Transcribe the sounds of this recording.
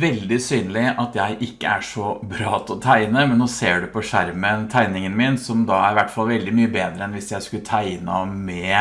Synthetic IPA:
ʋɛld̪ɪsyːnəlɪʔɑt̪jæɪʔɪkːə̰æ̰ʂɔbɾɑːt̪ʰɔt̪ʰæɪnəmɛnnoːseːɖɛpʰɔʂæɾmənt̪ʰæɪnɪŋənmɪnsɔmd̪ɑæɾɪʋæʈːfɑlʋɛld̪ɪmyːəbeːd̪ɾəɛnʋɪsjæɪskʉlət̪ʰæɪnɑ̰mɛ

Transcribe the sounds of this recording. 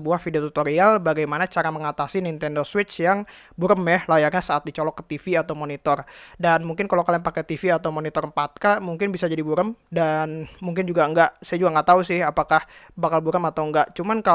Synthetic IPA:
əbuahfidiat̪ut̪oɾialbaɡajmanat͡ʃaɾaməŋat̪asinint̪ɛndoswɪt͡ʃjaŋ | buɾəmjɛhlajarɲasaʔat̪̚dit͡ʃɔlɔkːə̥t̪ifiat̪awmonit̪ɔrdanmuŋkɪnkalawkalɛŋpakɛt̪ifiat̪awmonit̪ɔrəmpat̪̚kamuŋkɪnbisad͡ʒadibuɾəmdanmuŋkɪnd͡ʒuɡaəŋɡaʔsajad͡ʒuɡaŋɡaʔt̪ausɪhapakah | bakalbuɾəmat̪awəŋɡaʔt͡ʃumanka

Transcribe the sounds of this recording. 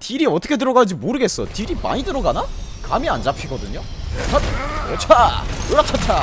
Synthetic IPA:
tiɾiʌt͈ʰʌkʰe̞t̬ɯɾʌɡad͡ʑimoɾɯɡe̞s͈ʌtiɾima̰ɲidɯɾʌɡanakamiand͡ʑapʰiɡʌdɯɲot͡ɕʰatʰot͡ɕʰaoɭːat͡ɕʰatʰa

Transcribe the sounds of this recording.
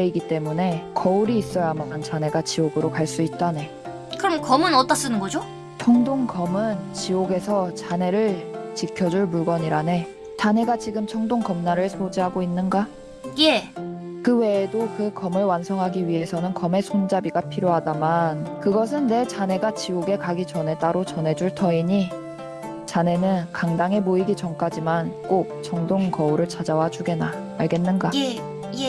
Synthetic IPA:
eiɡit͈e̞mune̞kʌuɾiːs͈ʌjamant͡ɕane̞ɡat͡ɕioɡɯɾokaɭs͈uit̚t͈ane̞ | kɯɾʌmkʌmɯnʌt͈as͈ɯnɯnɡʌd͡ʑo | t͡ɕʰʌŋdoŋkʌmɯnt͡ɕioɡe̞sʰʌt͡ɕane̞ɾɯɭt͡ɕikʰjʌd͡ʑuɭmuɭɡʌɲiɾane̞ | tane̞ɡat͡ɕiɡɯmt͡ɕʰʌŋdoŋkʌmnaɾɯɭsʰod͡ʑiɦaɡoinːɯnɡa | jekɯwe̞ːdokɯkʌmɯɭwansʰʌŋɦaɡiɥiɦe̞sʰʌnɯnkʌme̞sʰond͡ʑabiɡapʰiɾjoɦadamankɯɡʌs̬ʰɯnːe̞t͡ɕane̞ɡat͡ɕioɡe̞kaɡit͡ɕʌne̞t͈aɾot͡ɕʌne̞d͡ʑuɭtʰʌiɲi | t͡ɕane̞nɯnkaŋdaŋɦe̞moiɡit͡ɕʌmk͈ad͡ʑimank͈ok̚t͡ɕʰʌŋdoŋkʌuɾɯɭt͡ɕad͡ʑawad͡ʑuɡe̞naː | ɭɡe̞nːɯnɡa | je

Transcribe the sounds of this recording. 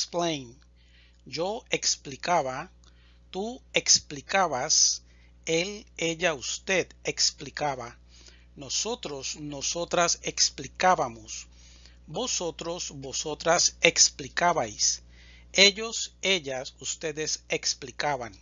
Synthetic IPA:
esplejn | d͡ʒoeksplikaβa | t̪ueksplikaβas | eleʎaust̪ed̪eksplikaβa | nosot̪ɾosnosot̪ɾaseksplikaβamos | bosot̪ɾosboso̞t̪ɾaseksplikaβajs | eʎoseʎasust̪eðeseksplikaβan

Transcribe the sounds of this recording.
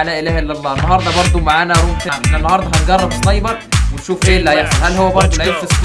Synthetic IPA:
læːʔelæːhæʔelːælˤːæːʔenːɑɦɑːɾˤd̪ˤɑbɑɾˤd̪ˤomaʕaːnæɾˤuːmt̪æʔenːænːɑhɑːɾˤd̪ˤɑɦɑnɡɑrˤːɑbesˤːɑjːbɑwenʃuːfʔeːlːæːjeħsɑnhælːhowːæbɑɾˤd̪ˤolʕelfes

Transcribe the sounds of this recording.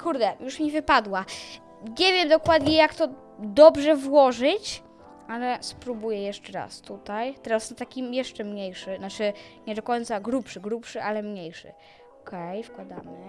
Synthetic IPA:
kuɾd̪ɛjuʂmʲivɘpad̪wa | ɲɛvʲjɛmd̪ɔkwad̪ɲɛjakt̪ɔ | d̪ɔbʐɛvwɔʐɘt͡ɕ | alɛspɾubujɛjɛʂt͡ʂɛɾa̰st̪ut̪ajt̪ɛɾasnat̪akʲimjɛʂt͡ʂɛmɲejʂɘnat͡ʂɘɲɛd̪ɔkɔjnt̪saɡɾupʂɘɡɾupʂɘʔalɛmɲejʂɘ̰ | ɔkʰɛjfkwad̪a̰mɘ

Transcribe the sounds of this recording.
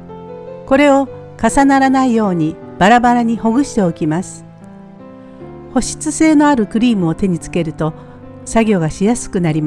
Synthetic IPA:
ko̞ɾe̞o̞ | kasanaɾanaijo̞ːɲ̟i | b̥aɾabaɾaɲ̟iho̞ɡɯ̟ɕi̥t̪e̞o̞kʲimasɨ̥ | ho̞ɕi̥t͡sɨse̞ːno̞aɾɯ̟kɯ̟ɾʲiːmɯ̟o̞t̪e̞ɲ̟it͡sɨ̥ke̞ɾɯ̟t̪o̞ | saɡʲo̞ːɡaɕijasɨ̥kɯ̟naɾʲima

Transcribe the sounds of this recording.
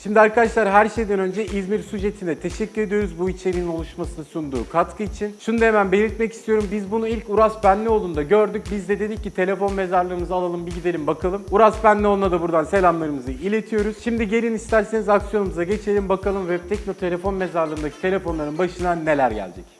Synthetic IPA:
ʃimd̪iaɾkad̪aʃlˠaɾɦæɾʃe̞jd̪ænø̞nd͡ʒɛʔizmiɾsud͡ʒe̞t̪ʰind̪ɛt̪ʰe̞ʃɛcʲːyɾe̞d̪ijo̞ɾuzbuit͡ʃʰeɾinino̞lˠuʃmasɯnɯsund̪ṵːkʰat̪kʰɯit͡ʃʰinʃunud̪emænbe̞nʲiɾt̪mɛci̥st̪ʰijo̞ɾumbizbunuilʲcuɾaspænlʲio̞lˠund̪aɟø̞ɾd̪yc̚bizd̪ɛd̪e̞d̪icːit̪ʰe̞lʲefo̞nme̞zaɾlˠɯɾɯmɯzɯalˠalˠɯmbiɟid̪e̞lʲimbakʰalˠɯmuɾaspænlʲiolˠunad̪abuɾd̪anse̞lʲamlˠaɾɯmɯzɯilʲe̞t̪ʰijo̞ɾuz̥ʃimd̪iɟe̞ɾinist̪æɾse̞nizaksijo̞numuzaɟe̞t͡ʃʰe̞lʲimbakalˠɯmvɛt̪ʰɛcno̞t̪ʰe̞lʲe̞fo̞nme̞zaɾlˠɯːɯnd̪acʰi̥t̪ʰe̞lʲe̞fo̞nlˠaɾɯnbaʃɯnane̞lʲæɾɟæ̰lʲd͡ʒɛc

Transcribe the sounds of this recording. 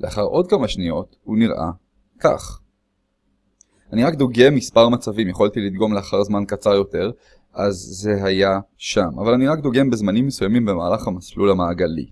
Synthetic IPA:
leaχaʁʔo̞d̚kamaʃnijo̞thuniʁʔa̰ | ka̰χ | aniʁakd̪oɡemːispaʁmat͡savimjeχolt̪ilid̪ɡo̞mleaχaʁzmankat͡saʁjo̞te̞ʁ | ʔazːe̞ɦajaʃamʔa̰valaniʁakd̪oɡe̞mbezmanimːesujamimbe̞maːlaχhamaslulamaːɡalḭ

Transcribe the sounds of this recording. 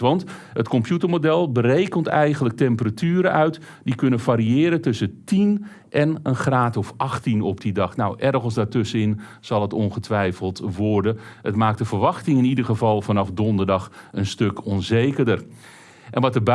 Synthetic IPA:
ʋɑnt | ətkɔmpjutərmodɛlˠbəɾejkəntɛjɣənlək̚tɛmpəratʰyːɾəʔœɥt | dikɵnənfaɾiɪːɾətɵsətin | ʔɛnənxraːtɔfɑxtinɔp̚didɑxnawʔɛrɣənsdatɵsəɪnsɑlˠətɔnχətʰʋɛjfəlˠtʋɔrdəətmaːk̚tdəvərʋɑxtɪŋɪnidərɣəvɑlˠfanɑfdɔndərdɑxənstøkɔnzeːkərdər | ʔɛnʋɑtəb

